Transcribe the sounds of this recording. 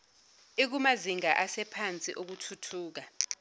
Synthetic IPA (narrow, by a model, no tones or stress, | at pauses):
ik̬umaziŋaʔasɛpʰant͡sʼḭʔok̬utʰutʰuːk̬a